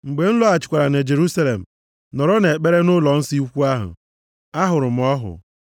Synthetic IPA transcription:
ŋ͡m̩˨ɡ͡be˨n̩˦lɔ˦a˨t͡ʃɪ˨kʷa˨ɾa˨ne˨d͡ʒe˨ɾu˦sa˦le˨m̩˨ | nɔ˨ɾɔ˦ne˨k͡pe˦ɾe˦nʊ˦lɔ˨n̩˦si˦u˦kʷu˦a˦ɦʊ̰˨ | a˦ɦʊ˨ɾʊ˨m̩˨ɔ˦ɦʊ̰˨

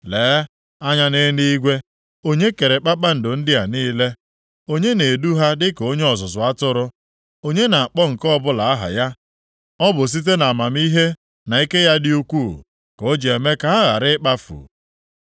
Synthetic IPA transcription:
leː˨˦ | a˦ɲa˦ne˦ni˦i˦ɡʷe˦ | o˦ɲe˦ke˨ɾe˨k͡pa˦k͡pa˦n̩˨dʊ˨n̩˦dɪ˦a˨niː˦le˦ | o˦ɲe˦ne˨du˦ɦa˦dɪ˦ko˦ɲe˦ɔ˨sʊ˨s̬ʊ˨a˦tʊ˦ɾʊ˦ | o˦ɲe˦na˨a˨k͡pɔ˦ŋ̩˨kɔ˦bʊ˦la˨a˦ɦa̰˨ja˦ | ɔ˦bʊ˨s̬i˦t̬e˦na˨ma˨m˦i˦ɦe˦ | na˨i˦ke˦ja˦dɪ˦u˦kʷu˦˨ | ko˦d͡ʒe˨me˦ka˨ɦa˦ɣa̰˨ɾɪ˦k͡pa˦fṵ˨

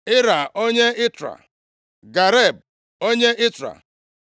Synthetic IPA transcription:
ɪ˦ɾa˨o˦ɲe˦ɪ˦tɾa̰˨ | ɡa˨ɾe˦˨b̚ | o˦ɲe˦ʔɪ˦tɾa̰˨

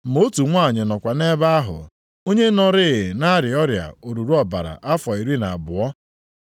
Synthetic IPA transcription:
m̩o˦tu˨ŋʷa˦˨ɲɪ˨nɔ˨kʷa˨ne˦ba˦ɦʊ̰˨ | o˦ɲe˦nɔ˦ɾɪ˦˨na˦ɾɪ˨ɔ˦ɾja̰˨o˨ɾu˨ɾu˦ɔ˨ba̰˨ɾa̰˨ʔa˦fɔ˨i˨ɾi˦na̰˨bʊ˨ɔ˦

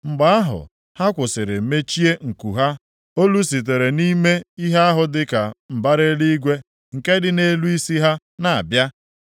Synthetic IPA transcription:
ŋ͡m̩˨ɡ͡ba˦a˦ɦʊ̰˨ | ha˦kʷʊ˨sɪ˨ɾɪ˨me˦t͡ʃi˦e˦ŋ̩˨kṵ˨ɦa˦ | o˦lu˦si˨t̬e˨ɾe˨ni˦me˦i˦ɦe˦a˦ɦʊ˨dɪ˦ka˨m̩˨ba˦ɾe˦li˦ɡʷe˦ | ŋ̩˨ke˦dɪ˨ne˦lu˦i˦si˦ɦa˦ | na˨a˨bja˦

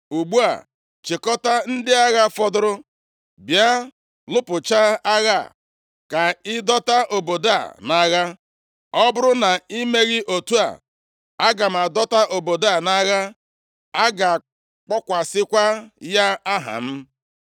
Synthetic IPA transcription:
u˨ɡ͡bu˦a̰˨ | t͡ʃi˨kɔ˦ta˦n̩˦dɪ˦a˦ɣa˦fɔ˦dʊ˦ɾʊ˦ | bja˦ | lʊ˦pʊ˨t͡ʃa˦a˦ɣa̰˦˨ | ka˨ɪ˦dɔ˦ta˦ʔo˨bo˨da̰˦˨na˦ɣa˦ | ɔ˦bʊ˦ɾʊ˦na˨i˦me˦ɣɪ˦ʔo˨tu˦a̰˨ | a˦ɡa˨m̩˨a˨dɔ˦ta˦ʔo˨bo˨da˦˨na˦ɣa˦ | a˦ɡa˨ | k͡pɔ˦kʷa˨sɪ˦kʷa˦ja˦a˦ɦa̰˨m̩˦

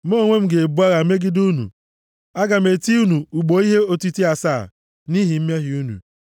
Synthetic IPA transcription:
m̩˦o˦˨ŋʷe˦m̩˦ɡe˨e˨bu˦a˦ɣa˨me˦ɡɪ˦du˦nṵ˨ | a˦ɡa˨m̩e˨ti˦u˦nu˨u˨ɡ͡bo˨i˦ɦe˦o˦ti˦ti˦a˨saː˦˨ | ni˦ɦi˨m̩˦m˦e˦ɦi˨u˦nṵ˨

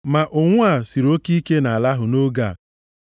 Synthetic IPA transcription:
ma˨ʔʊ˨ŋʷʊ˦a˦˨si˨ɾo˦ki˦ke˦na˨a˨la˦ɦʊ˨no˦ɡa˨

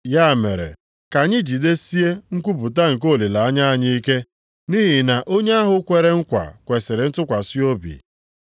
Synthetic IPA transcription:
ja˦˨me˨ɾḛ˨ | ka˨ɲɪ˦d͡ʒi˨de˦si˦e˦ŋ̩˦kʷu˦p̬u˨t̬a˦ŋ̩˨k̬o˦˨li˨la˨a˦ɲa˦a˦ɲi˦i˦ke˦ | ni˦ɦi˨na˨ʔo˦ɲe˦a˦ɦʊ˦kʷe˨ɾe˦ŋ̩˦kʷa̰˨kʷe˨se˨ɾɪ˨n̩˦tʊ˦kʷa˨si˦o˦bḭ˨

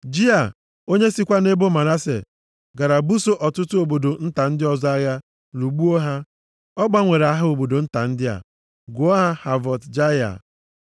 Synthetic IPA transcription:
d͡ʒi˦a˨ | o˦ɲe˦si˦kʷa˦ne˦bo˦ma˨na˦sḛ˨ | ɡa˨ɾa˨bu˦so˦ʔɔ˨tʊ˦tʊ˦o˨bo˨do˨n̩˦ta˨n̩˦dɪ˦ɔ˨zɔ˦a˦ja˦ | lu˨ɡ͡bu˦o˦ɦa˦ | ɔ˦ɡ͡ba˦ŋʷe˨ɾa˦ɦʊ˦o˨bo˨do˨n̩˦ta˨n̩˦dɪ˦a̰˨ | ɡʊ˨˦ɔ˦ɦa˦ha˨vɔ˨td͡ʒa˦ja̰˨

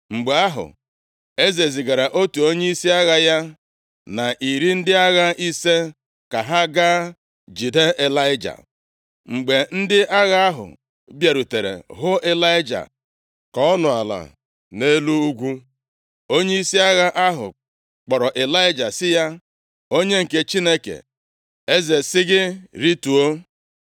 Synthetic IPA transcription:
ŋ͡m̩˨ɡ͡be˨a˦ɦʊ̰˨ | e˦ze˨zi˨ɡa˨ɾa˨ʔo˦tu˨o˦ɲe˦i˦si˦a˦ɣa˦ja˦ | na˨ʔi˨ɾi˦n̩˦dɪ˦a˦ɣa˦ʔi˦se˦ | ka˨ɦa˦ɡa˦ | d͡ʒi˨de˦e˨la˦ɪ˦d͡ʒa̰˨ | ŋ͡m̩˨ɡ͡be˨n̩˦dɪ˦ʔa˦ɣa˦a˦ɦʊ̰˨ | bje˨ɾu˨te˨ɾḛ˨ɦʊ˦e˦la˦ɪ˦d͡ʒa̰˨ | kɔ˦ɔ˦nʊ˨a̰˨la̰˨ | ne˦lu˦u˦ɡʷu˦ | o˦ɲe˦i˦si˦a˦ɣa˦ʔa˦ɦʊ̰˨ | k͡pɔ˨ɾɔ˨ʔe˨la˦ɪ˦d͡ʒa˨sɪ˦ja˦ | o˦ɲe˦ŋ̩˨ke˦t͡ʃi˦ne˦kḛ˨ | e˦ze˨sɪ˦ɡɪ˦ɾi˦tu˨o˦

